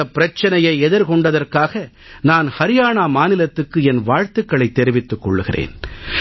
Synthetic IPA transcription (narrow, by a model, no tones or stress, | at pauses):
ɐpːɪɾɐt͡ʃːɐnɐjɐɪɛðɪɾkɔɳɖɐðɐrkaːɣɐ | naːnhɐɾɪjaːɳaːmaːnɪlɐt̪ːɯkːɯɛnʋaːɻt̪ɯkːɐɭɐɪt̪ːɛɾɪʋɪt̪ːɯkːɔ̰ɭːɯɣɪrʔḛːn